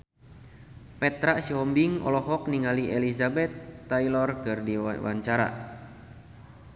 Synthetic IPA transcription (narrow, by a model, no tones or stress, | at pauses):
pɛt̪ɾaʔsiɔmbiŋɔ̰lɔɦɔk̚niŋaliʔɛlizabɛt̪ːailɔrkɨrdiwʔa̰ɲt͡ʃaɾa̰